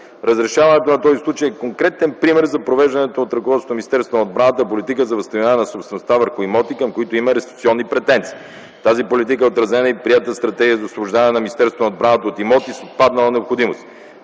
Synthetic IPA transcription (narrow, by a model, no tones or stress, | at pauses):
ɾɐzɾɛʃavɐnɛt̪onɐt̪ɔzislˠut͡ʃəjɛkoŋkɾɛt̪ɛnpɾimɛɾzɐpɾovɛʒd̪ɐnɛt̪oːt̪ɾɐkovɔt̪st̪miist̪ɛɾsvonod̪bɾanət̪əpolit̪ikəzɐvəst̪ɐvianɛnɐsopst̪vɛnost̪avəɾxʊimɔt̪ikɐmkoit̪oimɐɾɛst̪ɾi̥kt̪siɔnːipɾɛt̪ɛnt̪si̥ː | t̪azipolit̪̬ikəɛot̪ɾɐzɛnəipɾiɛt̪əst̪ɾɐt̪ɛɡʲijəzɐosvobʊʒd̪aɛnɐminist̪ɛɾst̪vonod̪bɾanət̪əot̪imɔt̪isot̪̚pad̪nɐlˠənɛopxod̪imost̪